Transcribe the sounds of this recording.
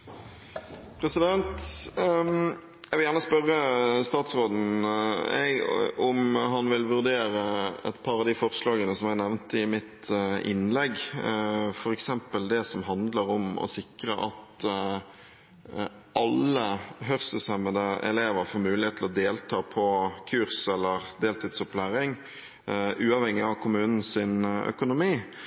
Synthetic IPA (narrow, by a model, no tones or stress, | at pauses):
pʰɾɛsɪd̪ɛnt̪ | jæʋɪljæʁnəspœʁːəst̪ɑːt̪sʁoːd̪n̩ | ɛ̰ɡɔmɦɑnʋɪlʋʉʁd̪eːɾəɛ̰t̪pʰɑːʁɑʋd̪ifɔʁslɑːɡənəsɔmjæɡnɛʋnt̪əɪmɪt̪ʔɪ̰nlɛɡ | fɔɾɛksɛmpəld̪ɛsɔmɦɑnd̪ləɾɔmɔ̰sɪkɾəʔɑt̪ | ʔɑlːəɦœʁsəsɛməd̪əɛ̰leːʋəɾfoːɾmʉːlɪheːt̪ʰlɔd̪eːlt̪ʰɑːpʰɔkʰʉɾsɛlːəʁd̪eːlt̪ʰɪt̪sɔplæːɾɪŋ | ʉːɑʋhɛŋːɪɑʋkʰʊmʉːnn̩sɪnœ̰kʊnʊmiː